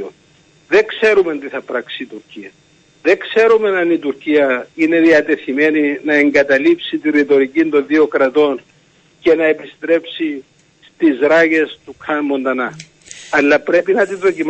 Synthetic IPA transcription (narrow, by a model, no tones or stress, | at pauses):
o | ðe̞kse̞ɾument̪iθɐpɾɐksit̪uɾciɐ | ðe̞kse̞ɾume̞nɐnit̪uɾciɐine̞ðiɐt̪e̞θime̞ninɐe̞ŋɡɐt̪ɐlipsit̪irːit̪o̞ɾicind̪o̞nðio̞kɾɐt̪o̞n | ce̞nɐe̞pist̪ɾe̞psi | st̪izɾɐʝe̞st̪ukʰɐnmːo̞nd̪ɐnɐ | ɐlːɐpɾe̞pinɐt̪inðo̞cim